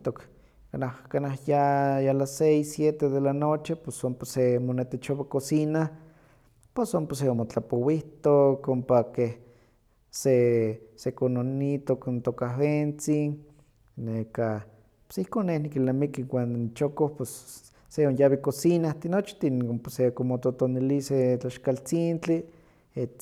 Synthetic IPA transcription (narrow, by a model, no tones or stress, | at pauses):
t̪ok | kanahkanahjajalasejsjet̪eðelanot͡ʃiposomposemonet̪et͡ʃoβakosina | posomposeomot͡ɬapowiht̪okompakeh | sesekononit̪oknt̪okawent͡sin | neka | po̥sihkonːehnikilnamikiwʷannit͡ʃokohposː | eonjaβikosinaht̪inot͡ʃt̪inomposekomot̪ot̪oniliset͡ɬaʃkalt͡sint͡ɬi | e